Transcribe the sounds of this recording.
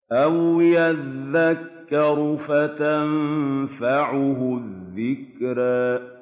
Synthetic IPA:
ʔawɪjaðːakːɑɾʊfat̪anmfaʕʊɦʊðːɪkɾa

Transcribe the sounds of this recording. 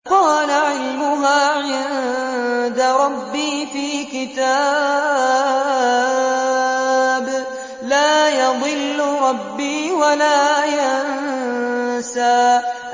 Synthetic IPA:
qɑːlaʕɪlmʊɦaːʕɪn | d̪aɾˤɑbːiːfiːkɪt̪aː | b | laːjɑd̪ˤɨlːʊɾˤɑbːiːwalaːjan | saː

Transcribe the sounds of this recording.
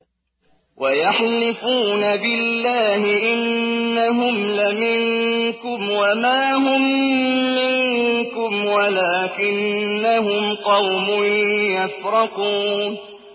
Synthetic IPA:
wʔajaħlɪfuːnabɪlːaːhɪʔɪnːaɦʊmlamɪŋkʊmwamaːɦʊmː | ɪŋkʊmwalaːkɪnːaɦʊmqɑwmʊnjafɾˤɑquːn

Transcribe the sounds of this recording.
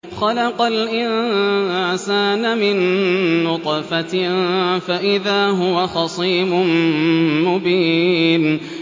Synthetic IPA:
xɑlɑqɑlʔɪnʕsaːnmɪnːʊt̪ˤɑfa | faʔɪðaːɦʊwaxɑsˤiːmʊnmʊbiːn

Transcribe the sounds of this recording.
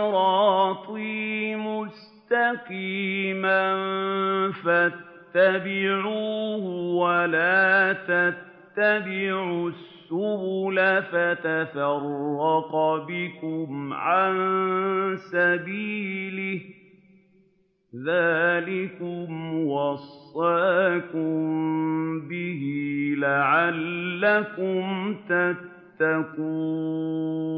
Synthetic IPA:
ɾɑːt̪ˤiːmʊs | t̪aqiːman | fat̪ːabɪʕuːhʊwalaːt̪at̪t̪ːabɪʕusːʊhʊlafat̪afɑrˤːɑqbɪkʊmʕan | sabiːlɪh | ðaːlɪkʊmwɑsˤːɑaːkʊmbɪhilaʕalːakʊmt̪at̪ːakuː

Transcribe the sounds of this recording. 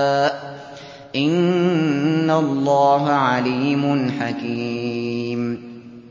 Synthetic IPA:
ʔɪnː | alˤːɑːɦaʕaliːmʊnħakiːm

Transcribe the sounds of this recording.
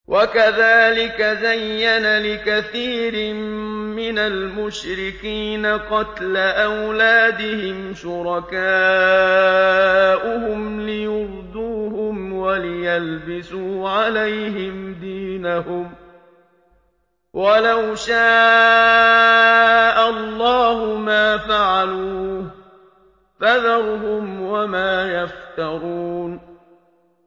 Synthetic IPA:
wʔakaðaːlɪkazajːanalɪkaθiːɾɪmmɪnalmʊʃɾɪkiːnaqɑt̪laʔawlaːd̪ɪhɪmʃʊɾˤɑkaː | ʔʊhʊmlɪjʊɾd̪uːhʊmwalɪjalbɪsuːʕalajɦɪmd̪iːnahʊm | wʔalawʃaː | ʔalˤːɑːhʊmaːfaʕaluː | faðɑɾˤʊhʊmwamaːjaft̪ɑɾˤuːn

